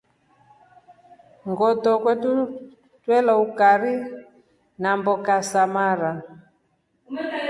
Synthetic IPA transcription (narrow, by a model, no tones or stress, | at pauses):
ŋɡɔtɔkwɛtu | twɛlaukaɾi | nambɔkasamaɾa